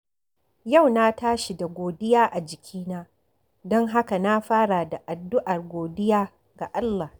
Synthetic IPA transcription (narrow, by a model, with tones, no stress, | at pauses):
ja˦˨wna˦taː˦ʃi˨da˨ɡʷoː˨dɪ˦jaː˦ʔa˨d͡ʒɪ˨kʲʰiː˦naː˦ | dɔ˦ŋɦa˦ka˨na˦ɸaː˦ɽa˨da˨ʔa˨dːʊ˦ʔa˨rɡʷoː˨dɪ˦jaː˦ | ɡa˨ʔa˦lːaː˨h